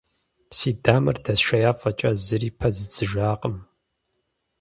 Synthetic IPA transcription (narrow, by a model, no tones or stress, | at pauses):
siːdaːmɐ̰rdʰɐsʃɐjaːfʼɐt͡ʃʼɐzɨriːpʰɐzɨt͡sʼɨʒaːqʼəm